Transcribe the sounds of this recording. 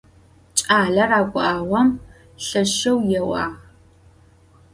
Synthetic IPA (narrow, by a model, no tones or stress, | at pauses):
t͡ʃʼaːɮɐraːkʷʼʊʔaːwʷɐm | ɬɐʃɐwjɛwa̰ː